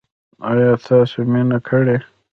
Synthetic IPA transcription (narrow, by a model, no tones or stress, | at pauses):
ajɑt̪ʰɑseminakʰəɽe